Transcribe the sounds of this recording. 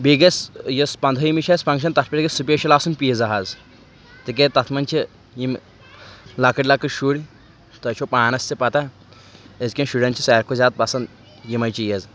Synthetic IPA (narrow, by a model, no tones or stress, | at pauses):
biɡesjɐspɐnd̪ʱɐjimit͡ʃʰɐspɐŋʃ̬ɐnt̪ɐt̪ʰpɐɾikesupeːʃilaːsunpijezɐɦaz | t̪ik̬et̪ɐt̪ʰmɐnʲt͡ʃʰi | jim | lɐkɐʈʲlɐkɨʃuɽʲ | t̪ɐt͡ʃʰopaːnɐsʲt͡sipɐt̪a | ezkʲenʃuɽʲɐnt͡ʃʰisaːɾkʰozʲaːd̪̚pɐsɐnd̪ | jimɐjt͡ʃʰijez